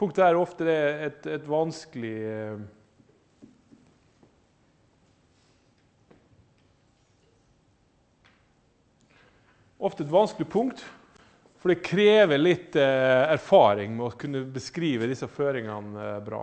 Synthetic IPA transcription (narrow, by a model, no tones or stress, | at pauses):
pʰʊŋkt̪ææɾɔft̪əd̪ɛɛt̪ɛt̪ʋɑnskəlɪ | ɔft̪əɛt̪ʋɑnsklɪpʰʊŋkt̪ | fɔɖɛkʰɾeːʋəlɪt̪ːæɾfɑːɾɪŋmɛɔkʰʉnːəbəskɾiːʋəd̪ɪsɑføːɾɪŋɑnbɾɑ̰ː